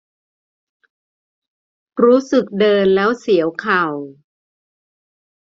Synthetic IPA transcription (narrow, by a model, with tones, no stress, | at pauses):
ɾuː˦˥sɯ˨˩k̚dɤː˧nlɛː˦˥wsi˩˦əwkʰa˨˩w